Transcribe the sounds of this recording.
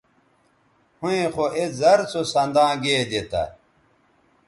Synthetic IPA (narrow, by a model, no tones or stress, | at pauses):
hũẽxoʔezɐɾt͡sosɐnd̪ãːɡeːd̪et̪ɐ̰